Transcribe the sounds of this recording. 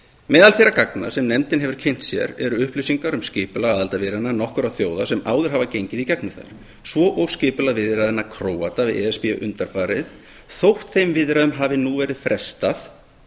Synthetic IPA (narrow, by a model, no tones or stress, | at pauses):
mɛːðalθejɾːakakna̰sɛmnɛmt̪ɪnɦɛvʏɾ̥cʰejn̥t̪sjɛ̰ɾɛɾʏʏhplisiŋkaɾʏmscɪːpʏlaaːðalt̪avɪɾɪnanɔhkʏɾawθjoːwðasɛmaːwðʏɾ̥ɦavacejɲcɪðicɛknʏθa̰ɾ̥ | svɔʔɔwɣscɪːpʏlavɪðɾaðɪnːakʰɾoːwat̪avɪ̰ðɛɛspɪʏ̰ʔʏnt̪aɾfaːɾɪ̰θ | θowht̪θejmvɪðɾaðʏmɦaːvɪnuvɛːɾɪð̥fɾɛst̪aθ